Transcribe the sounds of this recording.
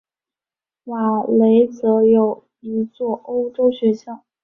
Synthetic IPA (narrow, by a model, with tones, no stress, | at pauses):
wa˨˩le˧˥ɪt͡sɤ˧˥jo˨˩ʊ | i˧˥t͡swɔ˥˩ʔo˥ʊʈ͡ʂo˥ʊɕɥɛ˧˥ɕjɑ˥˩ʊ